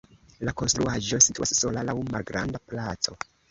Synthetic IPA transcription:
lako̞nst̪ɾuaʒo̞situasːo̞lalawmalɡɾʔa̰ndaplat͡so̞

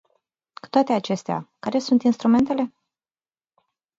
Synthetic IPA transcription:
ku̥t̪oat̪e̞at͡ʃe̞st̪ea̰kaɾe̞sunt̪inst̪ɾume̞nt̪ele̞

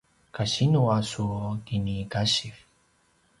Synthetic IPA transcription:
kaɕinuasukinikaɕif

